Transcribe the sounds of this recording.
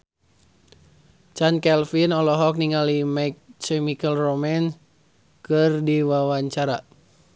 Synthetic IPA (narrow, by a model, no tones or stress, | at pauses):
t͡ʃankɛlfinɔlɔɦɔk̚niŋalimaik̚t͡ʃɛmikəlromɛn | kɨrdiwawaɲt͡ʃaɾa